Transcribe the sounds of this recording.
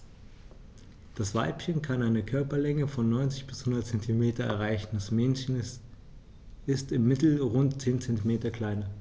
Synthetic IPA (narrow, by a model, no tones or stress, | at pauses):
d̥asv̥a̰ɪpçənkʰanaɪnəkʰœɐpɐlɛŋəfɔnːɔʏnt͡sɪçb̥ɪshʊndɐtt͡sɛntʰimeːtɐɛ̰ɐʁaɪçn̩d̥asmɛnçən | ɪstɪmːɪtl̩ʁʊntt͡seːnt͡sɛntimeːtɐkl̥aɪnɐ